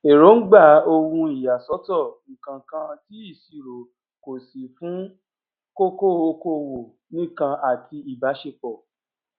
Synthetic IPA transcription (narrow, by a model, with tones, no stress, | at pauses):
e˨ɾo˨˦n̩˦ɡ͡ba˦˨o˧wũ˧i˦˨ja˨sɔ˨˦tɔ˦˨nĩ˨kã˨kã˧ti˦i˦˨si˨ɾo˨ | ko˨si˨fũ˨˦ | ko˦ko˦˨o˧ko˧˨wo˨ | nĩ˦˨kã˧ʔa˨tʰi˧i˨ba˨˦ʃe˦˨k͡pɔ˨